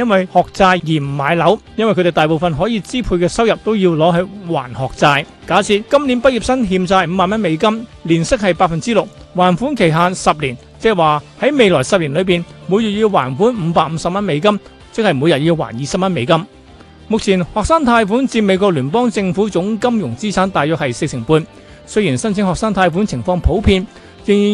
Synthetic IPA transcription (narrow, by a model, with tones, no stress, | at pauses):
jɐ˥nwɐ˨jhɔː˨k̚t͡saː˧jjiː˨˩m̩˨˩maː˨˧˥jlɐ˨˥wjɐ˥nwjkʰɵ˧e˨˩t̪aː˨jp̬o˨wfɐ˨nɦɔː˨˥jiː˧t͡siː˥pʰuː˧jkɛː˧sɐ˥wjɐ˨p̚t̪o˥wjiː˧wlɔː˨˥ɦɵ˨˧ɥwa̰ː˨˩nhɔː˨k̚t͡saː˧j | kaː˨˥sʰiː˧t̚kɐ˥mliː˨˥npɐ˥t̚ji˨p̚sɐ˥nɦiː˧msaː˧jm̩ː˨˧maː˨nmɐ˥nme˨˧jkɐ˥mliː˨˩nsɪ˥k̚hɐ˨jpaː˧fɐ˨nt͡siː˥lʊ˨k̚ | waː˨˩nfuː˨˥nkʰe˨˩jɦaː˧nsɐ˨p̚liː˨˩n | t͡sɛː˥waː˨hɐ˨˥jme˨˧jlɔː˨˩jsɐ˨p̚liː˨˩nlɵ˨˧ɥp̬iː˨nmu˨˧jyː˨t̚jiː˧wwaː˨˩nfuː˨˥nm̩ː˨˧paː˧k̚m̩ː˨˧sɐ˨p̚mɐ˥nme˨˧jkɐ˥m | t͡sɪ˥k̚hɐ˨jmuː˨˧jɐ˨t̚jiː˧wwa̰ː˨˩njiː˨˧sɐ˨p̚mɐ˥nme˨˧jkɐ˥m | mʊ˨k̚t͡sʰiː˨˩nhɔː˨k̚saː˥ŋt̪ʰaː˧jfuː˨˥nt͡siː˧me˨˧jkʷɔː˧k̚lyː˨˩pɔː˥ŋt͡sɪ˧ŋfu˨˥t͡sʊ˨˥ŋkɐ˥mjʊ˨˩ŋt͡siː˥t͡sʰaː˨˥nt̪aː˨jœː˨khɐ˨jse˧k̚sʰɪ˨˩ŋpuː˧n | sɵ˥ɥjiː˨˩nsɐ˥nt͡sʰɪ˧˥ŋhɔː˨k̚saː˥ŋt̪ʰaː˧jfu˨˥nt͡sʰɪ˨˩ŋfɔː˧ŋpʰo˨˥wpʰiː˧n | jɪ˨ŋː˨